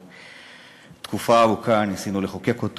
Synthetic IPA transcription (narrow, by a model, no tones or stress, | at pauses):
t̪kufavukʰanisinuleχokekot̪